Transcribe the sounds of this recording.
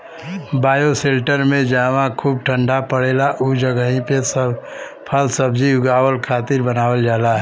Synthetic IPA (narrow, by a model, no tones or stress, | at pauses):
baːjoseːlʈəɾmẽd͡ʒaːʋãkʰuːb̚ʈʰə̃ɳɖapəɽeːlaʔud͡ʒəɡəɦĩpesə | pʰəlsəb̚d͡ʒiʊɡaːwəlkʰaːt̪ɪɾbənaːwəld͡ʒaːlaɦɛ